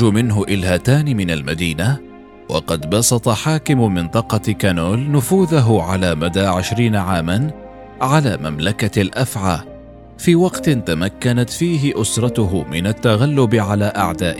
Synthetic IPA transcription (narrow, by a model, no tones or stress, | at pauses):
ʊmɪnɦʊʔɪlhat̪aːnɪmɪnalmad̪iːna | wʔɑ̰qɑd̪bɑsˤɑt̪ˤɑħaːkɪmmɪnt̪ˤɑqɑkanoːlnʊfuːðaɦʊʕalaːmad̪aːʕɪʃɾiːnaʕaːman | ʕalaːmamlakalʔafʕaː | fiːwɑqt̪ɪnt̪amakːanat̪fiːɦɪʔʊsɾˤɑt̪ʊɦʊmɪnat̪ːaɣalːʊbɪʕalaːʔaʕd̪aːʔɪ